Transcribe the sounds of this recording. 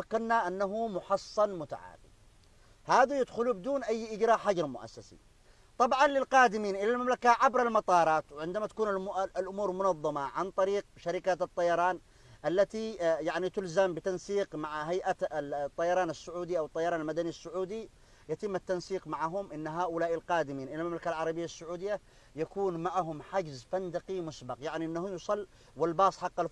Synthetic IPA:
akːanːaʔanːaɦumʊħɑsˤːɑnmʊt̪a̰ʕa̰ːmḭ | haːðajɪd̪xʊlubɪd̪uːnʔajːʔɪd͡ʒɾaːħad͡ʒɾˤmʊʔa̰sːasḭ | t̪ˤɑbʕɑnlɪlqɑːd̪ɪmiːnʔɪlalmamlakaʕabɾalmɑt̪ˤɑːɾˤɑːt̪wʕɪnd̪amat̪ḁkuːnalʔʊmuːɾmʊnɑðˤːɑmɑʕant̪ˤɑɾiːq̚ʃaɾɪkaːt̪ɨt̪ˤːɑjɑɾˤɑːn | ʔalːat̪ijaʕnit̪ʊlzambɪt̪ɑnsiːqmaʕɦajʔat̪ˤːɑjɑɾˤɑːnasːʊʕuːd̪iʔawɪt̪ˤːɑjɑɾɑːnalmad̪aniasːʊʕuːd̪i | jat̪ɪmːat̪ːɑnsiːqmaʕaɦʊmʔɪnːɦaːʔʊlaːʔɪlqɑːd̪ɪmiːnʔɪlalmamlakalʕɑɾˤɑbɪjːasːʊʕuːd̪ɪjːa | jakuːnmaʕɦʊmħad͡ʒzfand̪aqimʊsbɑqjaʕniʔɪnːahʊjsˤɑlː | wɪlbɑːsˤħɑqːal

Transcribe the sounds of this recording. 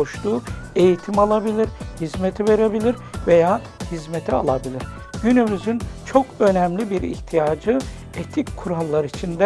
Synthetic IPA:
oʃt̪uːe̞jit̪ʰimalˠabilʲiɾhizmet̪ʰive̞ɾe̞bilʲiɾ | ve̞jaː | hizmet̪ʰia̰lˠabilʲiɾ̥ | ɟynymyzynt͡ʃʰo̞kø̞nɛmlʲibiɾḭht̪ʰijaːd͡ʒɯ | et̪ʰickʰuɾalˠːaɾit͡ʃʰind̪ɛ

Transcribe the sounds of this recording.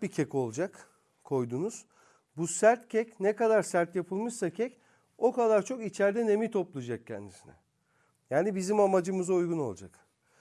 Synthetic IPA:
bicʰɛco̞lˠd͡ʒak | kʰo̞jd̪unuz̥ | busæɾt̪cʰɛcnɛkad̪aɾsæɾt̪japʰɯlˠmɯʃsacʰɛc | o̞kad̪aɾt͡ʃʰo̞kit͡ʃʰæɾd̪ɛne̞mit̪ʰo̞plˠud͡ʒak̚cʰɛ̰nd̪isinɛ̰ | jaːnibizimamad͡ʒɯmɯzaujɡuno̞lˠd͡ʒak

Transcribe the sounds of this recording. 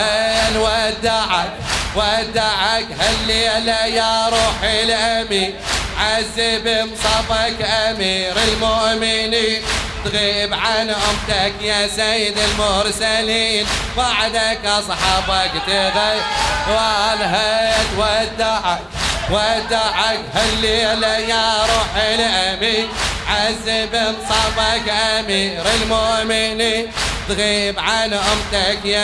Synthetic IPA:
alwad̪aʕakwad̪ːaʕakhalːilajaɾˤuːħilʔamiʕazːɪbɪmsˤɑfakʔamiːɾɪlmʊʔmɪnin | t̪ɣiːbʕanʔʊmt̪akjasajɪd̪ɪlmʊɾsaliːnbaʕd̪akasˤɑħɑːbakt̪ibajwalɦt̪wad̪aʕa | wad̪aʕakhalːilajaɾˤuːħiniʔaminʕazɪbɪnsˤɑbakʔamiːɾɪlmomɪnit̪ɣiːbʕanʔʊmt̪akja

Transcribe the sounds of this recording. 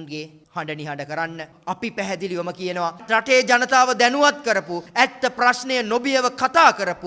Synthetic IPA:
ŋɡe | haɳɖəniɦaɳɖəkəɾanːə | apipæɦɛd̪iliʋɐməkijənəʋaɾaʈeːd͡ʒanət̪aːʋəd̪ɛnuʋat̪̚kəɾəpuæt̪ːəprasnejənobijəʋəkat̪aːkəɾəpu

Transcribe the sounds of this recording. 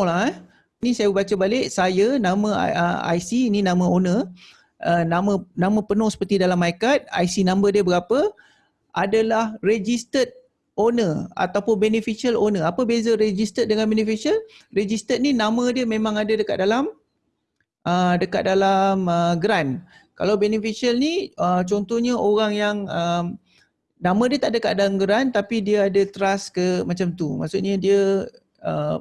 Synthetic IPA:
la | nisajabəbat͡ʃabalɪʔ̚sajənãmə̰̃əa̰jsiːninãmə̃onə | ənamə̃nãmə̃pənʊ̃hsə̥pərt̪idalamːajkat̪̚a̰jsinãmbərdiəbəɡapə | ʔadalahred͡ʒist̪ət̪̚ | onəa̰t̪awpʊnbɛnəfiʃialonəapəbezəɾed͡ʒist̪ət̪̚dəŋanbɛnifisiəlred͡ʒist̪ət̪̚ninamə̃diəmẽmãŋadadəka̰t̪̚dalam | ʔədəka̰t̪̚dalaməɡɾankalawbɛnəfiʃiəlniət͡ʃɔnt̪ɔhɲaʔoɾaŋjaŋəm | nãmə̃diət̪aʔdəkaʔ̪̚dalamɡəɾant̪apidiaadət̪əɾaskəmãt͡ʃamt̪uma̰ʔsʊʔɲadiə | ə

